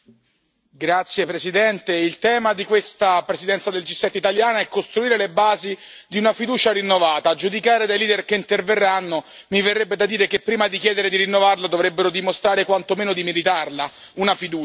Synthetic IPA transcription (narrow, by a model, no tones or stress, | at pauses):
ɡɾat̪sjepɾesid̪ɛnt̪eilt̪ɛːmad̪ikwest̪apɾesid̪ɛnt̪sad̪eld͡ʒisːɛt̪ːeit̪aljaːnaɛkːost̪ɾuiːɾelebaːzid̪iunafid̪uːt͡ʃaɾinːovaːt̪aːd͡ʒud̪ikaːɾed̪ajliːd̪erkeint̪erverːanːo | miverːebːed̪ad̪iːɾekepːɾiːmad̪ik̟jɛːd̪eɾed̪iɾinːovarlad̪ovɾebːeɾod̪imost̪ɾaːɾekwant̪omeːnod̪imeɾit̪arla | unafid̪uː